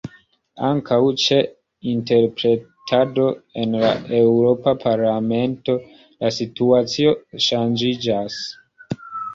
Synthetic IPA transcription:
aŋkawt͡ʃe | inte̞ɾpɾe̞tʰado̞e̞nlaʔewɾo̞papʰaɾlame̞nto̞ | lasituat͡sio̞ʃand͡ʒid͡ʒas

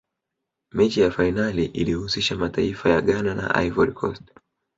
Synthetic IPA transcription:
mɛt͡ʃijafainaliʔilihusiʃamataifajaɠanana̰ʔa̰ivɔɾikʰɔ̰st

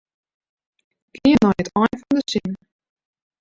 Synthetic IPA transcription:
kʰɪənɔjətʰɔjnfɔndəsin

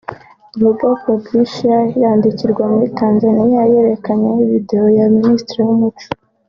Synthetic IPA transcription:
uβubɡoko̞bɡiʃajaːndiciɾɡwamuɾitaːnzanijaje̞ɾe̞kaɲeniβide̞o̞jaministɾiwumut͡ʃu̥

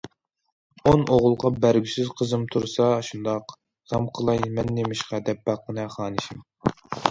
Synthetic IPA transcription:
onʔoʁʊlˠqɑbæɾɡʲysɪzqʰəzɨmt̪ʰuɾsɑʃund̪ɑq | ʁ̥ɑmqʰəlˠɑjmɛnːemɪʃqʰɑd̪ɛp̚bɑqːənɨχɑːnɨʃim

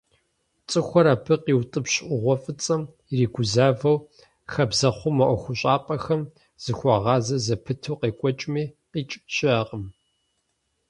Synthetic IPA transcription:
t͡sʼɨxʷɔɾaːpʰɨqiːwtʼɨpɕʔʷʊʁʷɔfʼɨt͡sʼɐm | iriːɡʷʊzaːvɐw | xɐbzɐχʷʊmɐʔʷɔxʷʊɕʼaːpʼɐxɐm | z̥ɨxʷɑʁɑːzɐzɐpʰɨtʰɐwqeːkʷʼɔt͡ʃʼmiːqiːt͡ʃʼɕɪaːqəm

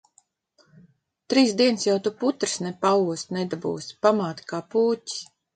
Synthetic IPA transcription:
t̪ɾiːsd̪iɛnsjawt̪uput̪ɾɨ̥snɛpauɔst̪nɛd̪abṵːsʲpamaːt̪kaːpuːti̥s

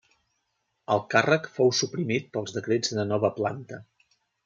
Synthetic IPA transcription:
əlˠkarəkfowsupɾimit̪̚pəlˠzðəkɾed͡zðənənɔβəplant̪ə

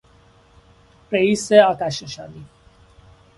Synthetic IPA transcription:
pɾeiseakaʃə̃ʃa̰d̪i

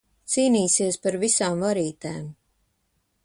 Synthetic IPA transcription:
t̪siːniːsiɛspaɾvisaːmvaɾiːt̪a̰ːm

